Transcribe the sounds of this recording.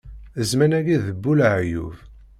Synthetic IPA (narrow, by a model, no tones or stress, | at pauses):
əzmænæɡiðəbːulʕjṵv